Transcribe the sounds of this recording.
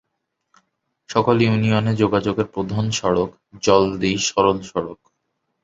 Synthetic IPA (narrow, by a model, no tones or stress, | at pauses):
ʃɔkoljunijoned͡ʑoɡad͡ʑoɡeɾpɾod̪ʱanʃɔɽok | d͡ʑɔld̪iʃɔɾolʃɔɽok